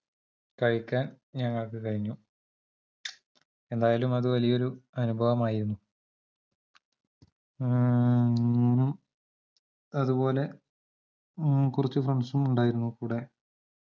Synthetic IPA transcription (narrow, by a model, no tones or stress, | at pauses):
kɐɻikʲːaːn | ɲɐŋːɐɭkekɐɻiɲːu | e̞nd̪aːjaːlumɐðuʋɐlijɐo̞ɾuɐnubʱɐʋɐmaːjiɾunːu | uːnum | ɐðupo̞ːle̞ | kurit͡ɕːufrɐɳsumuɳɖaːjiɾunːukuːɽe̞